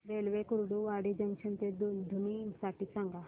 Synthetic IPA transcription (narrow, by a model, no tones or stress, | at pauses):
ɾelʋekuɾɽuʋaɽid͡ʒəŋɡt͡ʃʰənt̪ed̪d̪ʱunisaʈiːsãŋɡa